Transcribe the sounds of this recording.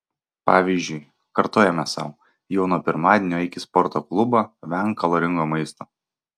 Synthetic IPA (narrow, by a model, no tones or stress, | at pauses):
pɑːʋʲiˑzʲd͡ʒʲʊɪ | kɐɾt̪oːjɛmʲɛsɑ̰ʊ | jɛʊnuɔpʲɪɾmɑːd̪ʲenʲoːɪkʲɪspɔɾt̪oːklˠʊbɐʋʲæŋkkːɐlˠoːɾʲɪŋɡoːmɐɪst̪oː